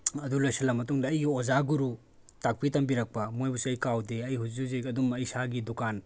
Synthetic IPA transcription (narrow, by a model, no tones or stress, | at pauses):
ɐdulojsɐlɐmɐtuŋdɐːjɡiozaɡuɾu | tak̚pitɐmbiɾɐk̚pɐmojbusiɐjkawdeɐjɦuzuzekɐdumɐjsaɡidukan